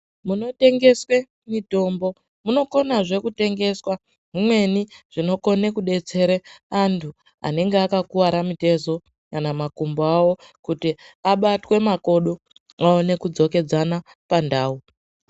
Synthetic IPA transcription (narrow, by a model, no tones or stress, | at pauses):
muno̞te̞ŋɡe̞swe̞ | mito̞ːmbo̞ | muno̞ko̞naʐe̞kute̞ŋɡe̞swa | ɦimwe̞niʐ̥ino̞ko̞ne̞kuɗe̞t͡se̞ɾeantʰu | a̰ne̞ŋɡeakakuwaɾamite̞zo̞ | kanamakumboawo̞ | kutiaɓatwe̞mako̞ɗo | awone̞kud͡zo̞ke̞d͡zana | pandaːu